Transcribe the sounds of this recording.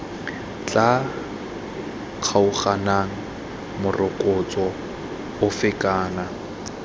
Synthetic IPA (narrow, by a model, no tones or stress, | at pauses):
t͡ɬʼa | q͡χʰaʊχanaŋ̩ | mʊrʔʊkʼʊt͡sʼɔ | ʊfɪkʼaːna